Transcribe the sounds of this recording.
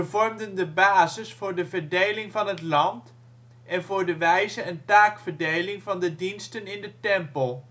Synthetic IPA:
vɔɹmdəndəbaːzɪsfʊːɹdəvəɹdejlɪŋvɑnɦətlɑnt | ʔɛnvʊːɹdəʋɛjzəəntaːkfəɹdejlɪŋvɑndədinstənɪndətɛmpəlˠ

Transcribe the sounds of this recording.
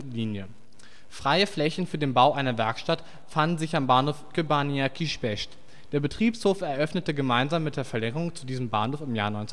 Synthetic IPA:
liːnjə | fʁ̥aɪəflɛçn̩fyːɐdeːnbaʊʔaɪnɐvɛɐkʃtat | fandn̩zɪçambaːnhoːfkøbaniakʰiʃbɛʃt | d̥eːɐbətʁ̥iːpshoːfɛɐʔœfnətəɡəmaɪnzaːmːɪt̚d̥eːɐfɛɐlɛŋəʁʊŋt͡sudiːzəm̩ba̰ːnhoːfɪmjaːnɔʏnt͡s

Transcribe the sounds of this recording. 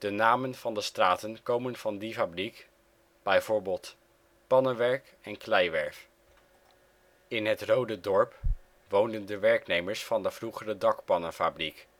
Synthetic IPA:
d̥ənaːmənvɑndəstraːtənkowmənv̥ɑndifabrik | b̥ɛjvʊːɹbɪːlˠt | pɑnənʋɛɹk | ɛnklɛjʋɛɹf | ɪnɦətrowdədɔɹp | ʋowndəndəʋɛɹknejməɹsfɑndəvruχərədɑkpɑnəfabrik

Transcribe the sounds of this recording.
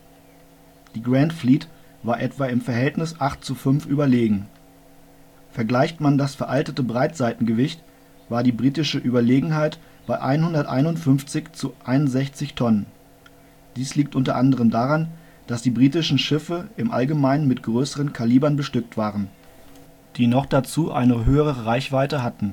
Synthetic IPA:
d̥iːɡʁantfliːt | v̥aːɐʔɛtv̥aɪmfɛɐɦɛltnɪsʔaχtt͡sufʏnfʔyːbɐleːɡŋ̩ | fɛɐɡlaɪçtmandasfɛɐʔaltətəbʁaɪtz̥aɪtn̩ɡəvɪçt | v̥aːɐdiːbʁiːtɪʃəʔyːbɐleːɡŋ̩ɦaɪt | b̥aɪʔa̰ɪnhʊndɐtʔa̰ɪnʊntfʏnft͡sɪçt͡suʔaɪnʊnzɛçt͡sɪçtʰɔnən | d̥iːsliːktʔʊntɐʔandəʁəmdaːʁan | d̥asd̥iːbʁiːtɪʃn̩ʃɪfəɪmʔa̰lɡəmaɪnənmɪtɡ̥ʁøːsəʁənkʰaliːbɐnbəʃtʏk̚tv̥aːʁən | d̥iːnɔχd̥at͡suːʔa̰ɪnəɦøːəʁəʁəʁaɪçv̥aɪtəɦatn̩

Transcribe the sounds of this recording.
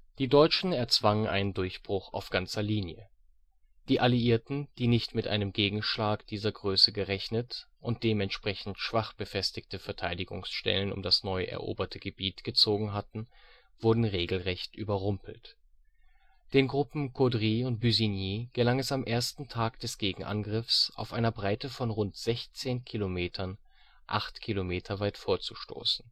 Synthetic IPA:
d̥iːdɔʏt͡ʃn̩ɛɐt͡sv̥aŋənʔa̰ɪnəndʊɐçb̥ʁʊχa̰ʊfɡ̥ant͡sɐliːnjə̰ | d̥iːʔaliiːɐtn̩d̥iːnɪçtmɪtʔa̰ɪnəmɡeːɡŋ̩ʃlaːkd̥iːzɐɡʁøːsəɡəʁɛçnət | ʔʊnt̚d̥eːmɛntʃpʁ̥ɛçn̩tʃv̥aχb̥əfɛstɪçtəfɛɐtʰaɪdɪɡʊ̰ŋsʃtɛ̰lənʊ̰mdasnɔʏʔɛ̰ɐʔo̰ːbɐtʰəɡ̥əbiːtɡ̥ət͡soːɡŋ̩ɦatn̩ | v̥ʊɐdn̩ʁeːɡl̩ʁɛçtʔyːbɐʁʊmpl̩t | d̥eːnɡʁʊpm̩kʰodʁiːʊnt̚b̥yzinjiːɡ̥əlaŋɛsamʔeːɐstn̩tʰaːkd̥ɛsɡ̥eːɡŋ̩ʔa̰nɡʁɪfsʔa̰ʊfʔaɪnɐbʁaɪtəfɔnʁʊntz̥ɛçt͡seːnkʰilomeːtʰɐn | ʔa̰χtkʰilomeːtʰɐvaɪtfoːɐt͡su̥ʃto̰ːsn̩

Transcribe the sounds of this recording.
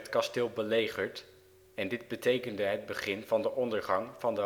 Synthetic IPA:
tkɑstɪːlˠbəlejχəɹt | ɛndɪd̚bətejkəndəɦəd̚bəχɪnvɑndəʔɔndəɹχɑŋvɑndə

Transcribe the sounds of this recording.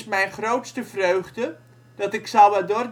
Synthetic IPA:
smɛjnχrowtstəvrøɥχdə | d̥ɔtɪksaʋadʊrd

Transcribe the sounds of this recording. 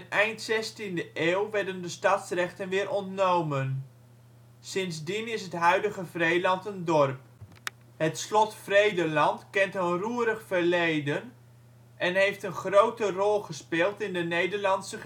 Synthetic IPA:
ənɛjntsɛstindəʔeːwʋɛɹdəndəstɑtsrɛχtənʋɪːɾʔɔntnowmən | sɪnzdinɪsɦətɦœɥdəɣəvrejlɑntəndɔrp | hətslɔtfrejdəlɑntkɛntənruəɾəχfərlejdən | ʔɛnɦejftənχrowtərɔlˠχəspɪːlˠtɪndənejdərlɑnsə

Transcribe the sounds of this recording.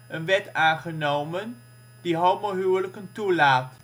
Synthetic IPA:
ənʋɛtaːnχənowmən | d̥iɦowˠmoɦywləkəntulaːt

